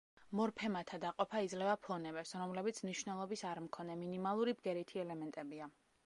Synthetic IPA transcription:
mɔɾpʰɛmat̪ʰad̪aqʼɔpʰaid̪zlɛvapʰɔnɛbɛpsɾɔmlɛbit̪sʰmniʃnɛlˠɔbisaɾmkʰɔnɛminimalˠuɾibɡɛɾit̪ʰiɛlɛmɛnt̪ʼɛbia

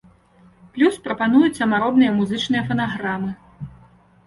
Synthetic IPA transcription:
plʲuspɾɐpanujut̪sɐmaɾɔd̪nɨjɐmuzɨt͡ʂnɨjɐfɐnaɣɾamɨ

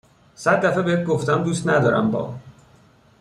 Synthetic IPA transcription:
sæd̪̚ːæfebeet̪̚ɡoft̪æmd̪uːst̪næd̪ɒːɾæ̰mbɒ̰ː

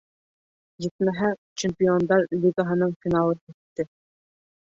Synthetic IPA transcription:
jit̪̚mæɦæ | t͡ɕɪmpʲiond̪ɑɾlʲiɡaɦɤ̆nɤɴfʲinɑlˠɤkɘt̪ːɘ

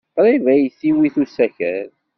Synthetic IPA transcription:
ɾˤivæjθiwiθusæçəl

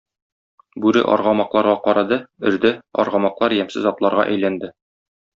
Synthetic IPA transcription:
bʉɾɘʔɒ̰ɾʁɑmɑqlˠɑɾʁɑqɒɾɑd̪ɤɵ̆ɾd̪ɘɒ̰ɾʁɑmɑqlˠɑɾjæmsɘzɒp̪lˠɑɾʁɑ̰ʔæjlænd̪ɘ

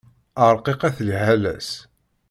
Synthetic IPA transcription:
əɾˤqeqæθlhælæ̰s

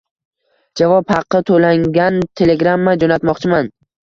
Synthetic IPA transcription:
d͡ʒavɒphɑqʰːɨt̪ʰolaŋɡʲant̪ʰele̞ɡɾamːad͡ʒonat̪mɒqt͡ʃʰɪman

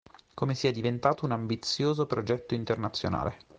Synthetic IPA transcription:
komesiɛd̪ivent̪aːt̪ounambit̪sjoːzopɾod͡ʒɛt̪ːoint̪ernat̪sːjo̰na̰ːle

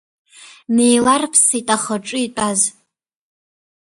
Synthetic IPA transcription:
me̞jlarpʰsitʼaχəʈ͡ʂʼɨitʷʼaz

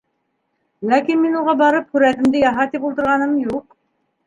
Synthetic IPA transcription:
lækinminuʁɑbɑɾɤp̚χʉɾæt̪ɘ̆md̪ɘjɑɦɑt̪ipulˠt̪ɤ̆ɾʁɑnɤmjuq̚

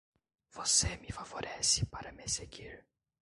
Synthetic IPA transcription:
v̥osemɪfavoɾʔɛsɪ̥paɾɐmeseɡiɾ

